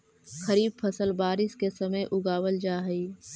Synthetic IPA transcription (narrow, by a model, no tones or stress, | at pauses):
xɐɾiːb̚pʰɐsəlbaːɾɪskesɐməjʔʊɡaːwəld͡ʒaːɦəiː